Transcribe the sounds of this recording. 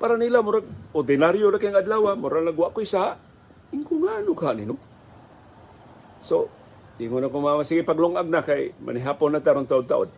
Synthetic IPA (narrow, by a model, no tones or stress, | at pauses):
paɾanilamʊɾaɡ̚od̪ɪnaɾjonakaŋad̪lawamoɾanaɡwaʔkoisaʔ | ɪŋkʊŋanʊkaɦaʔnḭno | so | ʔiŋonakomamasiɡipaɡloŋʔaɡ̚nakajmʔa̰nɪɦaponːat̪aɾont̪aʊd̚t̪a̰ʔo̰d̪̚